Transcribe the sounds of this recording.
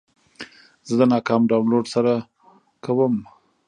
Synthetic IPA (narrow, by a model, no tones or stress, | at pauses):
zəd̪ənɑkɑmɖawnloɖsaɾa | kawəm